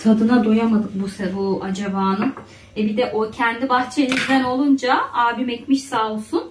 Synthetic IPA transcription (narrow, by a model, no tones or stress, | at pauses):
t̪ʰad̪ɯnad̪o̞jamad̪ɯk̚busɛbuad͡ʒabaːnɯm | ɛbid̪ɛʔocʰɛnd̪ibaxt͡ʃʰenizd̪æno̞lˠund͡ʒaaːbimɛcmiʃsalˠsun